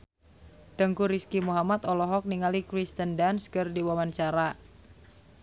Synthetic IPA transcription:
t̪əŋkuɾiskimuɦamat̪ɔlɔɦɔk̚niŋalikɾist̪əndanskɨrdiwamant͡ʃaɾa

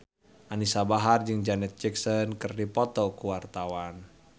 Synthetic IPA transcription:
ʔanisabaɦard͡ʒɨŋd͡ʒanɛt̪̚t͡ʃiksɔnkɨrdipɔt̪ɔkuwart̪awan

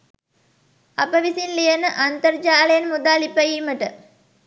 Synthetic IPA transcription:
ɐpəʋisinlijɐnəʔɐnt̪ɐɾd͡ʒaːlɐjɐnmud̪aːlipɐjiːməʈə

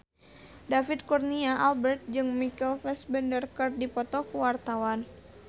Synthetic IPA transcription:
dafit̪̚kurniaʔalbərt̪̚d͡ʒɨŋmikɛlfɛsbɛndərkər̚dipɔt̪ɔkəwart̪awan

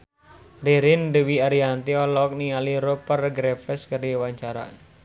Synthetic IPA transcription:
ɾiɾɪndəwiaɾiant̪iɔlɔk̚nialiɾopərɡɾefəskəriwaɲt͡ʃaɾa̰

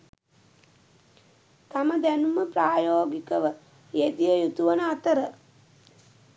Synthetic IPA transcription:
t̪aməd̪ænuməpɾaːjoːɡikəʋə | jed̪ijəjut̪uʋənəat̪əɾə

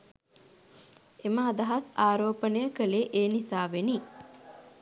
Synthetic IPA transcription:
eməːd̪ɐɦasaːɾoːpənəjəkəleʔeːnisaːʋeni

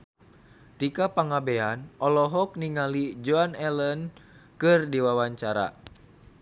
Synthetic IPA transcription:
t̪ikapaŋabeanʔɔlɔɦɔk̚niŋalid͡ʒoanɛlənkɨrdiwawaɲt͡ʃaɾa̰

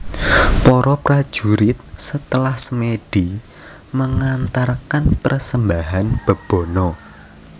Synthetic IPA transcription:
pɔɾɔpɾḁʒ̥uɾɪt̪̚sət̪əlahsəmeɖ̥i | məŋant̪arkanpərsəmbaɦanb̥ə̤b̥ɔ̤nɔ

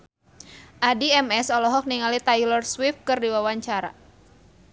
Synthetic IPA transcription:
ʔadiɛmɛsɔlɔɦɔk̚niŋalit̪ajlɔrswif̚kɨrdiwawaɲt͡ʃaɾa̰

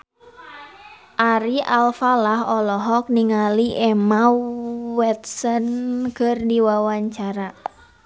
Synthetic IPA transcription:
ʔaɾiʔalfalaɦɔlɔɦɔk̚niŋaliʔɛma | wɛt̪̚sɔnkɨrdiwawaɲt͡ʃaɾa

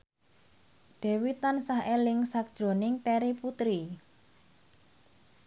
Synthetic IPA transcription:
ɖ̥e̤wit̪ansaɦelɪŋsak̚d̥ʒ̥ɾo̤nɪŋt̪eɾiput̪ɾi

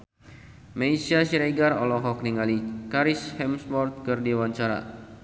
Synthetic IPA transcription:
maisiasiɾeɡarɔlɔɦɔk̚niŋalikaɾishɛmsmɔrt̪̚kɨrdiwaɲt͡ʃaɾa̰

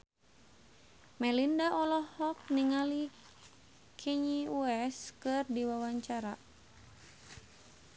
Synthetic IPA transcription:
mɛlindaʔɔlɔhɔk̚niŋali | kʰɛɲiuɛskɨrdiwawaɲt͡ʃaɾa

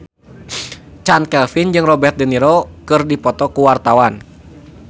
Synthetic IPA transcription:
t͡ʃankɛlfind͡ʒɨŋrɔbɛrt̪̚dɛniɾɔkɨrdipɔt̪ɔkuwart̪awan

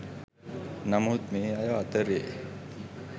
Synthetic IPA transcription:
namuːt̪̚meːajaat̪əɾje

